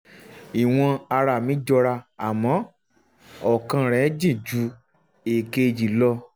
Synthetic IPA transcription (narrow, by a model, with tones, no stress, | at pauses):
i˨w̃ɔ̃˧a˧ɾa˧˨mĩ˨˦d͡ʒɔ˧ɾa˧a˨mɔ̃˨˦ | ɔ˨kã˧ɾ̃ɛ̃˨˦d͡ʒĩ˦˨d͡ʒu˨˦ | e˨ke˧d͡ʒi˨lɔ˧